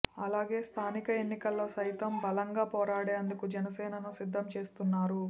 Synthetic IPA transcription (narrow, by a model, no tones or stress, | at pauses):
ɐlaːɡe̞ːst̪ʰaːnikɐenːikɐlːo̞ːsɐjt̪ɐmbɐlɐŋɡaːpɔːɾaːɽeːɐnd̪ukud͡ʒɛnɐsɛːnɐnusid̪ʱːɐmt͡ʃe̞ːst̪unːaːɾu